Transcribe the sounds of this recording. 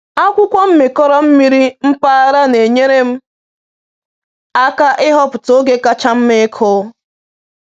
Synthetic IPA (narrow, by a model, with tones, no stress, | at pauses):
a˦kʷʊ˦kʷɔ˦m̩˦me˨kɔ˦ɾɔ˦m̩˦mi˦ɾi˦m̩˦pa˦a˦ɾa˦ne˨ɲe˦ɾe˦m̩˦ | a˦ka˦ʔɪ˦ɦɔ˦pʊ˨to˦ɡe˦ka˦t͡ʃa˦m̩˦me˦kʰo˦